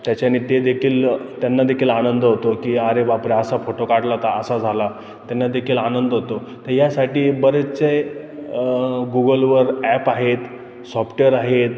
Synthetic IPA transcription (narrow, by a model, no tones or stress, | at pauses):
t̪jat͡ɕanit̪ed̪ekʰiːlt̪janːad̪ekʰiːlanənd̪əɦot̪okiaɾebapɾeasafoʈokaʈlat̪aəsad͡zʱala | t̪janːad̪ekʰiːlanənd̪əɦot̪ot̪əɾjasaʈiːbəɾət͡se | ɡuɡəlʋəɾæpaɦet̪ | sɔpʈəɾaɦet̪